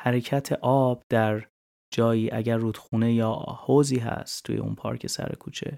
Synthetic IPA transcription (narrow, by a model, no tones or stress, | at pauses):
hæɾe̞cʰæt̪ʰe̞ʔɒːb̥d̪æɾ | d͡ʒɒːjiːʔæɟæɾːuːd̪xuːne̞jɒːhoːziːɦæ̰st̪ʰːṵje̞̰ṵnpʰɒ̰ːɾcʰe̞sæ̰ɾḛkʰuːt͡ʃʰe̞̰